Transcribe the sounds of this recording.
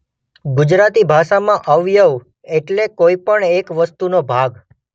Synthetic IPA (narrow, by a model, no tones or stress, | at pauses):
ɡʊd͡ʒɾat̪ibʱaʃamãʔəʋjəʋ | eʈlekoipəɳekʋəst̪unobʱaɡ